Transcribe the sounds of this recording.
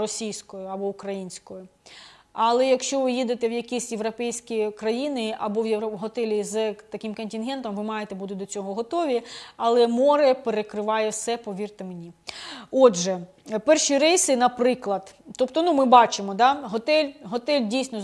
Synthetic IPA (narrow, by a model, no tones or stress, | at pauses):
rɔsʲijsʲkɔjʊɐbɔʊkɾɐjinʲsʲkɔjʊ | ɐlˠɛjɐkʃt͡ʃɔʋɪjid̪et̪ɛwjɐkʲisʲjeʋɾɔpɛjsʲkʲikɾɐjinɪʔɐbɔwjɔɦɔt̪ɛlʲizt̪ɐkʲɪmkɐnʲtʲinɦɛnt̪ɔmʋɪmɑjet̪ɛbut̪ɪd̪ɔt͡sʲɔɦɔɦɔt̪ɔʋʲiɐlˠɛmɔɾɛpeɾekɾɪʋɑjɛfsɛpɔʋʲirt̪ɪmenʲiɔdʒɛ | pɛrʃiɾɪsɪnɐpɾɪklˠɐd̪t̪ɔpt̪ɔnumɪbɑt͡ʃɪmɔd̪ɑɦɔt̪ɛlʲɦɔt̪ɛlʲdʲijsʲnɔ